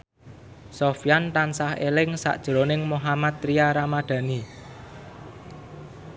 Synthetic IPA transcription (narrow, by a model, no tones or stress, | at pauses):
sofjant̪ansahelɪŋsa̰ʔd̥ʒ̥əɾonɪŋmoɦamat̪̚ɾiaɾamaɖ̪̥ä̤ni